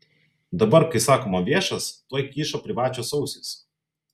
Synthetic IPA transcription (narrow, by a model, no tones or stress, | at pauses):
d̪ɐbɐɾkɐɪsɑːkoːmɐʋʲiɛʃɐst̪oːjkʲiːʃoːpʲɾʲɪʋɑːt͡ʃʲoːsɒʊsʲɪs